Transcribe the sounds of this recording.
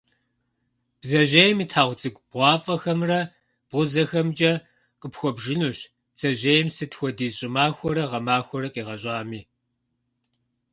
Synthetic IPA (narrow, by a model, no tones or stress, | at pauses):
b̥zɐʑejɛmiːtʰaːʁʷʊt͡sʼɨɡʷb̥ʁʷɑːfʼɐxɐmrɐ | b̥ʁʷʊzɐxɐmt͡ʃʼɐ | qʼəpxʷɔbʒɪnuːɕ | t͡sʼɐʒejɛmsɨtxʷɔdiːɕʼɪmaːxʷɔɾɐʁɐmaːxʷɔɾɐqʼiːʁɐɕʼaːmiː